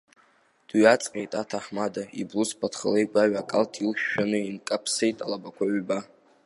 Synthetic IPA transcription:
d̥wiat͡sʼqʲʼejtʼatʰaħmadaḭbluspʰatʰχə̰le̞jɡʷaɥakʼaltʼʰilʃᶣːanɨinkʼapʰsejtʼalabakʷʰaʕba

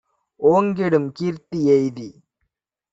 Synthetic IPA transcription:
oːŋɡeɽɯmkiːɾt̪iɛjði

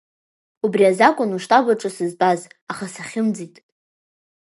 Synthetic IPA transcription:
ubriazakʷʼʊnuʂtʼaɡʷaʈ͡ʂʼɨsɨzpʼazaχasaχʲɪmd͡zitʼ

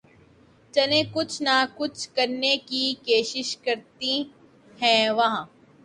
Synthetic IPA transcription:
t͡ʃɐlẽːkʊt͡ʃʰnakʊt͡ʃʰkɐɾnekikoːʃɪʃkɐɾt̪i | hɛ̃ːʋɐɦãː

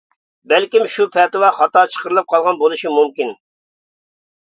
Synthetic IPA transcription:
bɛlkʲimʃupʰɛt̪ɨwɑχɑt̪ɑt͡ʃʰə̥qʰəɾɨlˠɨp̚qʰɑlˠʁɑnbolˠɨʃimumkʲin

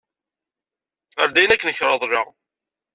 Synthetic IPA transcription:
a̰ɾd̪æjənækːənəçɾˤɑðˤrɑʁ

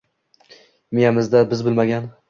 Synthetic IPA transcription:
mijamɪzd̪abɪzbɪlmaɡʲan

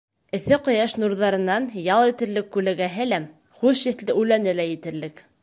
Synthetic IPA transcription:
ɘ̆θɘqŏjɑʃnuɾðɑɾɤ̆nːɑnjɑlˠĭt̪ɘ̆ɾlɘkːʉlæɡæɦɘlæ | χʉʃɘ̆θlɘʔʉlænɘlæjɘ̆t̪ɘ̆ɾlɘk

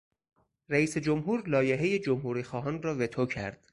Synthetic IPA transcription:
ɾæiːse̞d͡ʒomɦuːɾlɒːje̞ɦeje̞d͡ʒomhuːɾiːxɒːɦɒːnrɒːve̞t̪ʰocʰæ̰ɾd̪̥

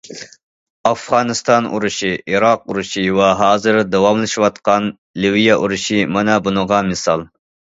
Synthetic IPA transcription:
ɑfʁɑːnɨst̪ɑnṵɾuʃiʔiɾɑq̚uɾuʃiwɛɦɑːzɨɾd̪əwɑmlˠɨʃiwɑt̪qɑn | lɪwijɛʔuɾuʃimɑnɛbunəʁɑmɨsɑlˠ

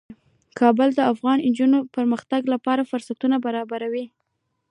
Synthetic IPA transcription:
kʰɑbəld̪əafɣɑnnd͡ʒunopəɾməxt̪aɡlapɑɾafʊɾsat̪unabaɾɑbaɾawi

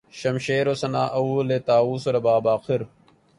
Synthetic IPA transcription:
ʃɐmʃeːɾosɐnaːʔɐuːlet̪aːuːsoɾɐbaːbaːqʰɪɾ

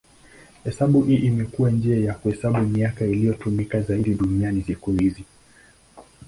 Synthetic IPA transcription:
hɛsaɓuʔiʔimɛkuwand͡ʒiajakuhɛsaɓumiakailijɔtumikazaiɗiɗunianisikuhizi

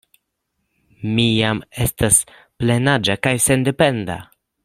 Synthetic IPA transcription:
mijame̞stas | ple̞nad͡ʒakajse̞nde̞pe̞nda̰

